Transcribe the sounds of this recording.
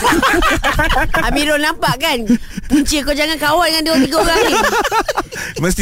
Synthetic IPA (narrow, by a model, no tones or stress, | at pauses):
amidɔnampaʔkanpuɲt͡ʃiəkod͡ʒaŋankawandŋandiwat̪iɡaɣai | məst̪